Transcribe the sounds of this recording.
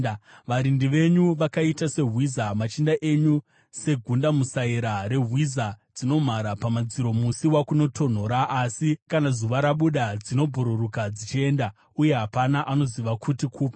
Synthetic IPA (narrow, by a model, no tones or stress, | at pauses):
ʋaɾindiʋe̞ɲuʋakaitase̞ɦwizamat͡ʃindaʔeɲu | se̞ɡʱundamusaiɾaɾe̞ɦwizad͡zino̞m̤aɾapamad͡ziɾo̞musiwakuno̞tʰo̞n̤o̞ɾaʔːsikanazuʋaɾaɓuɗad͡zino̞bʱoɾuɾukad͡zit͡ʃie̞nda | uje̞ɦapanaʔano̞ziʋakʰutikʰuːpḁ